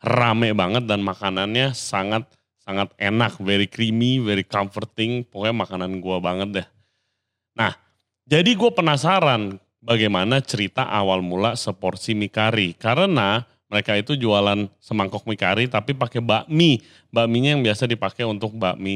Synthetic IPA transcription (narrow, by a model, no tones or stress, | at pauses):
ramɛbaŋət̪̚danmakananɲasaŋat̪̚ | saŋat̪̚enak̚veɾikɾimiveɾikamfərt̪ɪŋpokɛmakananɡuabaŋət̪̚jah | nah | d͡ʒadiɡuapənasaɾan | baɡajmanat͡ʃəɾit̪aʔawalmulasəpɔrsimikaɾikaɾəna | məɾekait̪ud͡ʒualansəmaŋkɔk̚mika̰ɾit̪apipakɛbaʔmi | baʔmiɲajaŋbiasadipakɛunt̪ʊk̚baʔmi